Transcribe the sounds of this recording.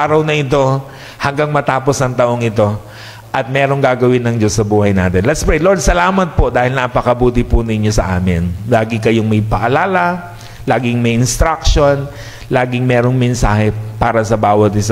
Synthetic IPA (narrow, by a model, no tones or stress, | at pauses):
aːɾɐwnɐʔɪt̪o̞ | hɐŋɡɐŋmɐt̪aːposɐŋt̪ɐʔo̞ŋɪt̪o̞ | ʔɐt̪̚mɛːɾo̞ŋɡaːɡɐwɪnːɐŋd͡ʒo̞sːɐbuːhɐjnaːt̪ɛnlɛt̪spɹɛjlo̞ɹd̪̚sɐlaːmɐt̪̚po̞d̪aːhɪlnapɐkɐbuːt̪ɪpʊnɪɲjo̞sɐ̰ʔa̰ːmɪnlaːɡɪkɐjoŋmɐjpɐʔɐlaːlɐ | laːɡɪŋmɐjɪnst̪ɾakʃo̞n | laːɡɪŋmɛːɾoŋmɛnsaːhɛpaːɾɐsɐbaːwɐt̪̚ɪsɐ